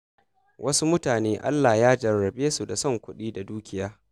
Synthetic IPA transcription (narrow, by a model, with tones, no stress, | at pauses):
wʔɐ˦su˦mʊ˦taː˨neː˦ʔa̰˦lːa˨jaː˦d͡ʒɐ˨rːɐ˨beː˦su˨da˨sɔ˦ŋkʷʊ˦ɗiː˦da˨duː˦kʲɪ˦jaː˦